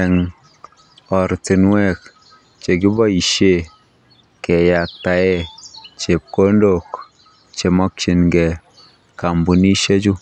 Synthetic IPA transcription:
ɛ˨ŋ | ɔ˨ɾti˨nwɛ˦k | t͡ʃe˨kɪ˦bɔ˦i˨ʃe˦˨ | kɛ˨ja˨k̚ta˨e˦t͡ʃe˨p̚ko˦ndo˨k | t͡ʃe˨mɔ˦k̚t͡ʃi˨nɡɛ˨ | ka˨mbu˨ni˦ʃe˦t͡ʃu˦

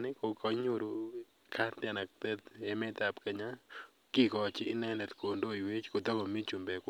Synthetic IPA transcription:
nɪ˦ko˨kɔ˦ɲu˦ɾu˨ | kʰa˦t̪ɪ˦a˨na˨k̚t̪ɛ˦t̪ɛ˦mɛ˦t̪a˨pke˨ɲa | ki˦kɔ˨t͡ʃɪː˦nɛ˦lɛ˨t̪ko˨ndo˦i˨we˦t͡ʃko˨d̪ɔ˦ɡɔ˨mi˦t͡ʃu˨mbɛ˨k

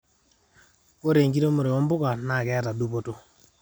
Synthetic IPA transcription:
ko˦ɾe˨ŋɡi˦ɾe˦mo˨ɾe˨ɔ˦mbʊ˦ka˨na˨ɡɛ˦a˦ta˨du˦po˦to˦

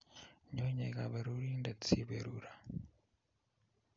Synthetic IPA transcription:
ɲo˦ɲe˨ɣa˨βe˨ɾu˦ɾi˦nde˨t͡si˦βe˨ɾuɾa˨

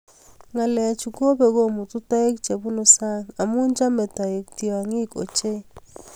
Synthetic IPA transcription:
ŋa˨lɛ˨t͡ʃu˨ko˦bɛ˨ɡo˦mu˨tu˦ta˦e˦kt͡ʃe˨bu˦no˨sa˦ŋa˨mu˦nd͡ʒa˦mɛ˨ta˨je˨k̚ti˨wa˨ŋi˦ko̰˨t͡ʃe˦

